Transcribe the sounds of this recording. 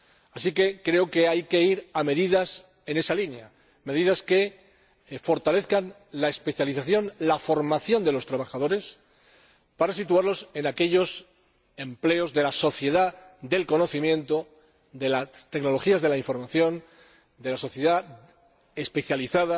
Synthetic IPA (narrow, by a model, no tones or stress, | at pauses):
asike̞kɾe̞oke̞ajke̞iɾame̞ðiðas | e̞ne̞salinja | me̞ð̞iðaske̞ | fo̞ɾt̪ale̞θkan | lae̞spe̞θjaliθaθjo̞nlafo̞ɾmaθjo̞nd̪elo̞st̪ɾaβ̞axaðo̞ɾe̞s | paɾasit̪uaɾlo̞se̞nake̞ʎo̞s | e̞mple̞o̞zðe̞laso̞θje̞ðad̪e̞lko̞no̞θimjẽ̞nt̪o̞ | ðe̞lat̪e̞kno̞lo̞xiazð̞e̞laiɱfo̞ɾmaθjo̞n | d̪e̞laso̞θje̞ða | espe̞θjaliθaða